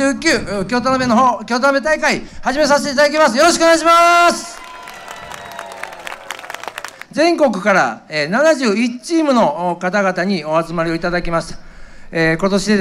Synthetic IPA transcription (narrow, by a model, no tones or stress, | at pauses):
ɨːkʲɨːkʲo̞ːt̪onobenoɦkʲo̞ːt̪onobe̞t̪aikaihaʑime̞s̬aɕet̪eit̪ad̪ak̬ʲimasɨjo̞ɾoɕikɯoneɡaɕimasɨ̥ | zẽ̞ŋko̞kɯ̟̥kaɾa̰eːnanaʑɨːit͡ɕiːmɯ̟no̞kat̪aɡat̪aɲ̟io̞at͡sɨmaɾʲio̞it̪ad̪akʲimaɕi̥t̪ḁeːko̞t̪o̞ɕid̪e